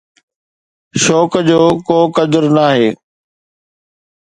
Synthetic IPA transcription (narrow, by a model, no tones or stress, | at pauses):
ʃɔːkd͡ʑoːkoːkəd̪əɾnaːɦeː